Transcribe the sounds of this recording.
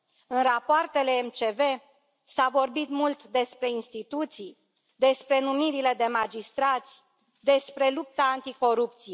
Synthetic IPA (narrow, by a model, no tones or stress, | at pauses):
ɨnrapoart̪e̞le̞ːmt͡ʃe̞ve̞ | savo̞rbit̪mult̪d̪e̞spɾe̞inst̪it̪ut̪sij | d̪e̞spɾe̞numiɾile̞d̪e̞mad͡ʒist̪ɾat̪sʲ | d̪e̞spɾe̞lup̚t̪aːnt̪iko̞ɾup̚t̪sije